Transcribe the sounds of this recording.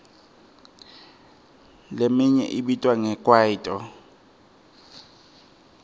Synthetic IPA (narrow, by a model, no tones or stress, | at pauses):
lemiɲɛ̰ʔiɓitʼwaŋɛkʼwaitʼɔ